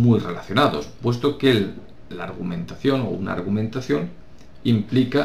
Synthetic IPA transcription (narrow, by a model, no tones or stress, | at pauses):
mujrelaθjo̞naðo̞̰spwes̬t̪okel | laːɾɣumẽnt̪aθjo̞no̞̰una̰ɾɣumẽ̞nt̪aθjoŋ | implika